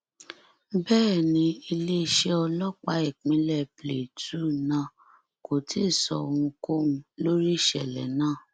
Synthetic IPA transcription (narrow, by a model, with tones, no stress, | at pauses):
bɛː˦˨nĩ˧i˧le˦˨ʃɛ˦ɔ˧lɔ˦k͡pa˧i˦˨k͡pĩ˨˦lɛ˦˨ple˨tu˦˨nã˦˨ | ko˨ti˦˨sɔ˧˨˧w̃ũ˧ko˦ũ˧lo˦ɾi˦˨ʃɛ˨lɛ̰˨nãː˦˨